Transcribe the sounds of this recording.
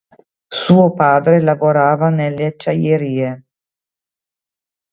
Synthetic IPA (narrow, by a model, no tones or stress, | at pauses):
suːopaːd̪ɾelavoɾaːvanelːet͡ʃːajeɾiːe